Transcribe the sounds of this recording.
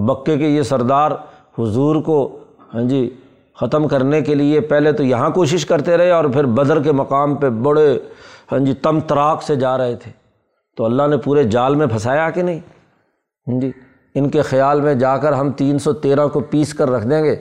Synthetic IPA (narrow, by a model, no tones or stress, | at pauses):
bɐkːekejesɐɾd̪aːɾ | hʊzuːɾko | hə̃d͡ʒiː | xɐt̪əmkɐɾnekeliepɛɦlet̪ojɐɦãkoːʃ̬ɪʃkɐɾt̪eɾɐɦeɔːɾpʰɪɾbɐd̪əɾk̬emɐqaːmpebɐɽehə̃nd͡ʒit̪ɐmt̪ɐɾaːksed͡ʒaːɾɐɦet̪ʰe̥ː | t̪oɐlːaɦnepuːɾed͡ʒaːlmẽpʰɐsaːjakenɐɦĩː | ɦd͡ʒiː | ɪnkexɐjaːlmẽd͡ʒaːkəɾɦɐmt̪iːnsɔt̪eːɾãkopiːskɐɾːɐkʰd̪ẽːɡeː